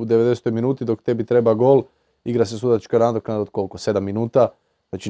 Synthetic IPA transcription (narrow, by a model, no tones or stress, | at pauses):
ud̪eʋed̪ese̥t̪ojminuːt̪id̪o̞kt̪e̞bit̪ɾe̞baɡo̞ːl | iɡɾas̬esud̪at͡ʃkanaːd̪ɾoknad̪od̪kolkose̞d̪amːinuːt̪a | at͡ʃi